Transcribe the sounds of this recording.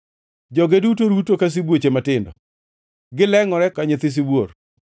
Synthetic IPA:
d͡ʒɔɡedutoɾutokas̬ibwot͡ʃematɪndɔ | ɡɪlɛŋɔɾɛkaɲɪt̪ɪs̬ɪbwoɾ

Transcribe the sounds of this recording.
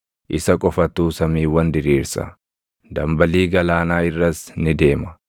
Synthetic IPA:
ʔɪsɐkʼɔfɐt̪ːuːsɐmiːwːɐnd̪ɪɾiːɾsɐ̰ | d̪ɐmbɐliːɡɐlaːnaːɪrːɐsnɪd̪e̞ːmɐ̥

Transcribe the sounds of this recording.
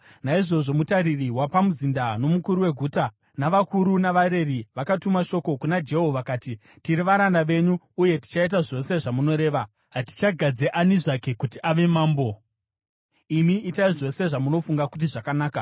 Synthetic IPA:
naiʐo̞ʐo̞mutaɾiriwapamuzindano̞mukuɾuwe̞ɡʱuːta | naʋakuɾunaʋaɾe̞riʋakatumaʃo̞ko̞kunad͡ʒe̞ɦo̞ʋakaːti | tiɾiʋaɾandaʋe̞ɲuːje̞ti̥t͡ʃait̬aʐo̞se̞ʐamuno̞ɾe̞ːʋa | ɦati̥t͡ʃaɡʱad͡zeʔaniʐake̞kutiʔaʋe̞maːmbo̞ | imiːtaiʐo̞se̞ʐamuno̞fuŋɡakut̬iʐakanaːka

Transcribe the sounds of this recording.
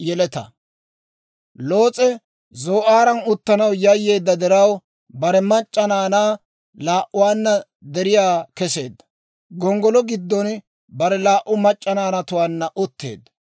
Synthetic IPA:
jɛlɛt̪ɐ̰ | lo̞ːt͡sʼɛ | zoːʔaːɾɐnʊt̪ːɐnɐwjɐjːe̞ːd̪ːɐd̪ɛɾɐw | bɐɾɛmɐt͡ʃʼːɐnaːnaː | laːʔʊwaːnːɐ | d̪ɛɾɪjaːkɛse̞ːd̪ːɐ̥ | ɡɔŋɡɔlɔɡɪd̪ːɔn | bɐɾɛlaːʔʊmɐt͡ʃʼːɐnaːnɐt̪ʊwaːnːɐʔʊt̪ʰːe̞̰ːd̪ːɐ̥

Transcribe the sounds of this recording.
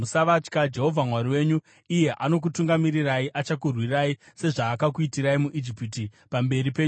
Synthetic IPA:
musaʋat͡ʃkad͡ʒe̞ɦo̞vʱamwaɾiwe̞ɲu | ije̞ʔano̞k̬utuŋɡamiriraiʔat͡ʃakurwiraise̞ʐaːkak̬uitiɾaimuʔid͡ʒipiti | pambe̞ripe̞ːɲu

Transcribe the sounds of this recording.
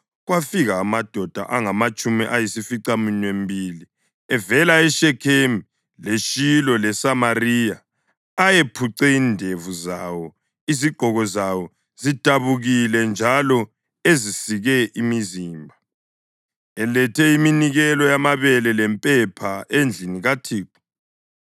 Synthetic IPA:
ɣwafiɣaːmad̥ʱɔd̥ʱa̰ʔaŋamat͡ʃʼumiʔajisifiǀaminwembʱiːli | ɛvɛlaɛʃɛkʰemi | leʃilɔlɛsamarijaː | jepʰuǀɛindʱevuzawɔ | iziɡ͡ǃʱɔɣɔzawɔ | zitʼaβuɣilɛnd͡ʒʱalɔ | ezisiɣɛʔimiziːmbʱa | ɛlɛtʰɛiminiɣɛlɔjamaβɛlɛlɛmpʼɛpʰaʔend͡ɮʱiniɣatʰiːǃu̥

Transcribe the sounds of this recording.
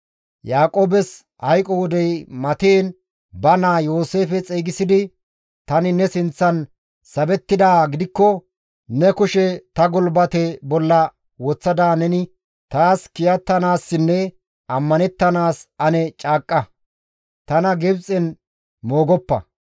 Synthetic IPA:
jaːkʼo̞ːbɛs | hɐjkʼɔwɔd̪ɛjmɐt̪eːn | bɐnaːjo̞ːse̞ːfɛt͡sʼeːɡɪsɪd̪ɪ | t̪ɐnɪnɛsɪnt͡sːɐn | sɐbɛt̪ːɪd̪aːɡɪd̪ɪkːɔ | nɛkʊʃɛt̪ɐɡɔlbɐt̪ɛbɔlːɐ | wɔt͡sːɐd̪aːnɛnɪ | t̪aːskɪjɐt̪ːɐnaːsːɪnːɛ | ɐmːɐnɛt̪ːɐnaːsɐnɛt͡ʃʼaːkʼːɐ | t̪ɐnɐɡɛbt͡sʼɛn | moːɡɔpːɐ̰

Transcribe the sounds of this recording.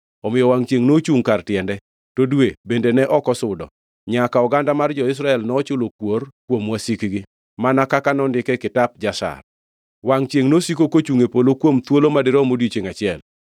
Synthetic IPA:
ɔmɪjɔwaŋt͡ʃeŋnot͡ʃuŋkartjɛndɛ | todwebendenɛʔɔkɔsʊdɔ̰ | ɲakaɔɡandamard͡ʒɔɪs̬ɾaɛlnɔt͡ʃʊlokworkwomwasikɡɪ | manakakanɔndɪkɛkɪtap̚d͡ʒasa̰r | waŋt͡ʃjeŋnosikokot͡ʃuŋepolokwomt̪wolomadɪɾɔmodit͡ʃɪŋat͡ʃɪɛl

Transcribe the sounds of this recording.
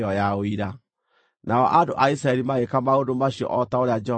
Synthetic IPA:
ɔjaoiɾa | naɔʔadoʔaisɾaɛɾimaɣekamaodomaɕjɔ̰ʔɔtaoɾead͡ʒɛ

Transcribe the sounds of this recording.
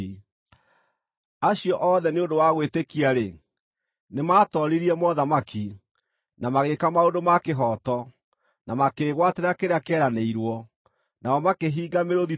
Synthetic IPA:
aɕijɔʔɔðɛneodowaɣwetekiaɾe | nemaːtɔɾiɾiɛmɔðamakʰi | namaɣekamaodomakeɦɔtɔ | namakeɣwateɾakeɾeakɛɾaneiɾwɔ | naɔmakeɦiːɡameɾoði

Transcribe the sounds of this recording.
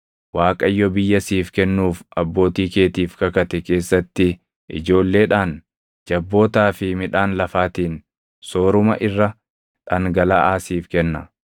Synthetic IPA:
waːkʼɐjːɔbɪjːɐsiːfkɛnːuːfʔɐbːo̞ːt̪iːke̞ːt̪iːfkɐkɐt̪ɛke̞ːsːɐt̪ːɪ | ʔɪ̰d͡ʒo̞ːlːe̞ːᶑaːn | d͡ʒɐbːo̞ːt̪aːfɪmɪᶑaːnlɐfaːt̪iːn | so̞ːɾʊmɐ̰ʔɪrːɐ | ᶑɐŋɡɐlaːʔaːsiːfkɛnːɐ

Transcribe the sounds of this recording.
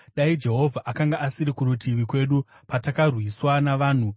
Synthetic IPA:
ɗaid͡ʒe̞ɦo̞vʱaʔakaŋɡaʔasiɾikuɾutʰiʋikwe̞ːɗu | patakarwiswanaʋaːn̤u

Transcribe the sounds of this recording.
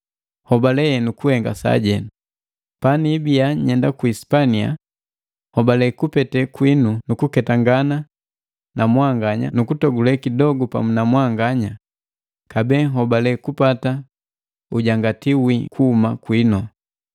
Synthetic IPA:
hɔbalɛɛnukuhɛŋɡa̰sa̰ɟɛnu | panibijaɲɛndakuispania̰ | hɔbalɛkupɛtɛkwinunukukɛtaŋɡana | nʔamwaŋɡaɲa̰nukutɔɡulɛkidɔɡupa̰munamwaŋɡaɲa | kabɛːɦɔbalɛkupata | uɟaŋɡatiwikʰuːmakwinɔ

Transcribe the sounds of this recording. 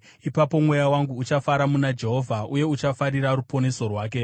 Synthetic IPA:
ipapo̞mwe̞jawaŋɡuːt͡ʃafaɾamunad͡ʒe̞ɦo̞vʱauje̞ut͡ʃafaɾiɾaɾupo̞ne̞so̞rwaːk̬e̞

